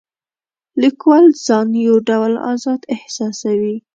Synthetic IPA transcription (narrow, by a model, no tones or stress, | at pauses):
likwɑlzɑnjawɖawlɑ̰zɑd̪ɪhsɑsawi